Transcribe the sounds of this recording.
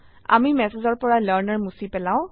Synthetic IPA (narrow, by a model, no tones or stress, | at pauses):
a̰mimɛsezɔɹpɔɹaləɹnəɹmusipɛlãʊ̃